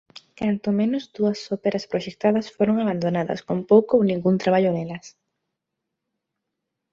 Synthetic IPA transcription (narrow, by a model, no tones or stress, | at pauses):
kant̪ʊmẽnʊzd̪uɐsopeɾɐspɾoʃek̚t̪aðɐsfoɾoŋaβand̪onaðɐ̰skompowkoownĩŋɡunt̪ɾaβ̞aʎʊnelɐs